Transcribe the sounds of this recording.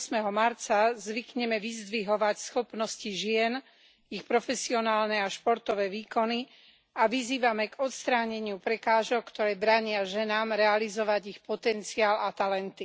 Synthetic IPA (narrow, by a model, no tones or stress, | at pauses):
smɛɦɔmaɾt͡sazʋikɲɛmɛʋizd̪ʋiɦɔʋacsxɔpnɔsciʒɪɛn | ixpɾɔfɛsiɔnaːlnɛaʃpɔɾt̪ɔʋɛːʋiːkɔni | aʋiziːʋamɛɡɔt̪st̪ɾaːɲɛɲɪupɾɛkaːʒɔk̚kt̪ɔɾɛːbɾaɲɪaʒɛnaːmɾɛalizɔʋaɟixpɔt̪ɛnt͡siaːlat̪alɛnt̪i